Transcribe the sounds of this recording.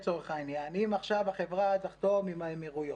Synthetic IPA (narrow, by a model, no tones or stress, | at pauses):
t͡soʁeχainjanimaχʃavaχevʁazaχt̪omimamiʁujo